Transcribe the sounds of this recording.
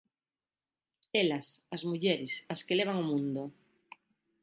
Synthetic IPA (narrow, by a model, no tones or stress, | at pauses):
elasazmuʝeɾesaskeleβ̞aŋomũnd̪o